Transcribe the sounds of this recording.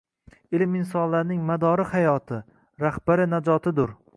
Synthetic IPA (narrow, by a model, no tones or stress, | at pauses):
ɪlɪmɪnsɒnlaɾnɪŋmad̪ɒɾɪhajɒt̪ʰɪ | ɾahb̥aɾɪnad͡ʒɒt̪ʰɪd̪ʊɾ